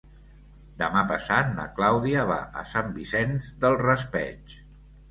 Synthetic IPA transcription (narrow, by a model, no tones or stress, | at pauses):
d̪əmapəsat̪̚nə̰klawðiəβ̞a̰ʔə̰sambisɛnzðəlˠrəspɛt͡ʃ